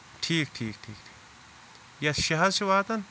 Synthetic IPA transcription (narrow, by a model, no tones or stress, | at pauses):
ʈʰiːkʈʰiːkʈʰiːkʈʰi̥ːk | jɐʃɐɦɐzt͡ʃʰiʋaːt̪ɐn